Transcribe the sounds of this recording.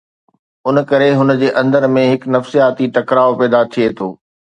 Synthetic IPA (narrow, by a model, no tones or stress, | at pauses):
ʊnkɐɾeɦʊnd͡ʑeːʔɐ̃nd̪əɾmẽɦɪknɐfsijaːt̪iʈɐkɾaːopɛːd̪at̪ʰiet̪ʰoː